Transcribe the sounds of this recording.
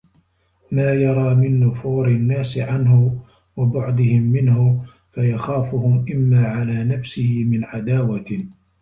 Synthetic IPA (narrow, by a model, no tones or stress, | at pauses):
maːjɑɾˤɑːmɪnːʊfuːɾɪnːaːsɪʕanhʊ | wabʊʕd̪ɪhɪmːɪnhʊ | fajaxaːfʊhʊmʔɪmːaːʕalaːnafsɪhɪmɪnʕad̪aːwa